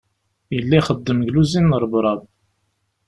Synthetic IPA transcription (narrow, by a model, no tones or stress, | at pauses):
jəlːæjχəd̪ːəmʝluzinːəɾˤbɾˤɑðˤ